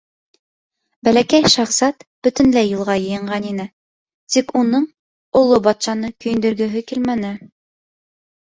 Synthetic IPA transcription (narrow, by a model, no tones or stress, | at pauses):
bælækæjʃɑχsɑt̪b̥ɵ̆t̪ɘ̆nlæjulˠʁɑjɤ̆jɤ̆ɴʁɑninɘ | t̪ikunɤɴ | ŏlˠːobɑt̪ʃɑnɤkɵ̆jɘ̆nd̪ɵ̆ɾɡɵ̆ɦɘkilmænɘ